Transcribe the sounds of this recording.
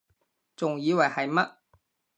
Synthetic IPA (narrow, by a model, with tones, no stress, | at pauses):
t͡sʊ˨˩ŋjiː˨˥wɐ˨˩jhɐ˨˩jmɐ˦˥t̚